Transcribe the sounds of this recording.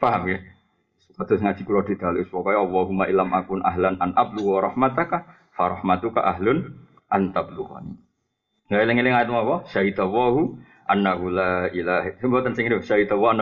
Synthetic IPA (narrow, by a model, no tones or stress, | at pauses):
faɦamkɛ | spat̪ʊsŋḁd͡ʒ̥ikuɾɔd̥̪i̤d̪̥a̤luɪspɔkɔjɑlːɔɦumaʔilamʔakʊnʔaɦlanʔanʔab̚luwaɾɑhmat̪aka | faɾɑhmat̪uka̰ʔaɦlʊn | ʔant̪abluka̰nḭ | ŋɡailɪŋilɪŋait̪mawɔsaɦit̪awaɦu | ʔanaɦulailaɦsmbat̪ansɪŋinisaɦid̪awɔana